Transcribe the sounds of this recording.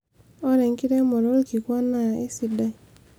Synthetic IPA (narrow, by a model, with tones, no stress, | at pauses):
ɔ˦ɾɛ˨ŋkɪ˦ɾɛ˦mɔ˨ɾo˦lki˨kwɔ˦na˦˨ḛ˦si˦da˦˨